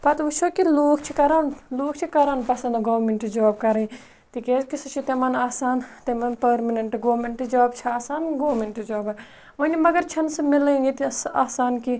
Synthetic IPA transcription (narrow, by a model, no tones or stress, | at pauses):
pɐt̪ut͡ʃʰoːkiloːkt͡ʃʰikɐɾaːnloːkʰt͡ʃʰikɐɾaːnpɐsɐnd̪ɡoːʋmeɳʈid͡ʒaːb̚kɐɾɐi | t̪ikeːzkisɐt͡ʃʰit̪emɐnaːsaːnt̪emɐnpɐɾmɐneɳʈɡoːmeɳʈɨd͡ʒaːb̚t͡ʃʰiaːsaːnɡoːmeɳʈd͡ʒaːbɐ | mɐnimɐɡɐɾt͡ʃʰɐnsɐmɪlɐiŋɡit̪iaːsaːnki